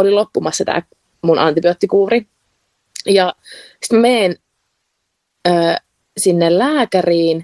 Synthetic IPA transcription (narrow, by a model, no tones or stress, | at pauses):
olilopːumɑsːɑt̪æ̰ː | munʔɑ̰nt̪ibiot̪ːikuːri | jɑ | si̥t̪mæmeːn | əː | sinːellæːkæriːn